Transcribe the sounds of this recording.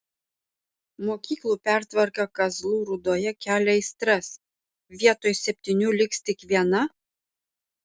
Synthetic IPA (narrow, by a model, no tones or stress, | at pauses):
moːkʲiːklˠuːpʲæˑɾt̪ʋɐɾkɐkɐzlˠuːɾʊd̪oːjɛkʲæːlʲɛɪsʲt̪ɾɐs | ʋʲiɛt̪oːjsʲɛpʲt̪ʲɪnʲuːlʲɪkst̪ʲɪkʋʲiɛnɐ